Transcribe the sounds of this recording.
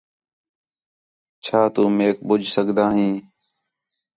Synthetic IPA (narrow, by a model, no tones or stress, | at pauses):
t͡ʃʰaːt̪uːmeːk̚bʊd͡ʒʱsəɡd̪aːɦĩː